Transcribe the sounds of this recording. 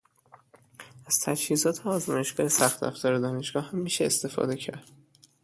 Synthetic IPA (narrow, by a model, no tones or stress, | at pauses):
æz̥t̪ʰæd͡ʒhiːzɒːt̪ʰeɒːzmɒːje̞ʃɡ̥ɒːjesæxt̪æ̰ft̪ʰɒːɾed̪ɒːne̞ʃɡ̥ɒːhæmːiːʃeːst̪e̞fɒ̰d̪e̞cʰæ̰ɾd̪̥